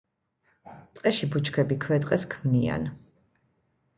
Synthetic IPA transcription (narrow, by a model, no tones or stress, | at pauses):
t̪ʼqʼɛʃibut͡ʃʰkʰɛbikʰwɛt̪ʼqʼɛskʰmnia̰n